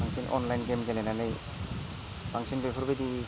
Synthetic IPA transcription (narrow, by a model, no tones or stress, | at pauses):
aŋsinʔɔ̰nlajnɡemɡelenanɯj | b̥aŋsinbepʰuɾbedi